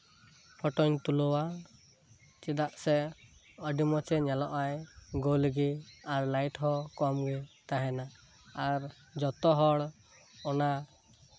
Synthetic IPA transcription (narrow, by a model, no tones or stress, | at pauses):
pʰɔʈɔɲt̪ulɔwa | t͡ʃɛd̪aʔsɛ | ɔɖimɔt͡ʃɛɲɛlɔʔajɡolɡiaɾlajʈɦɔkɔmɡɛt̪aɦɛnaː | ɾ | d͡ʒɔt̪ɔɦɔɽ | ɔna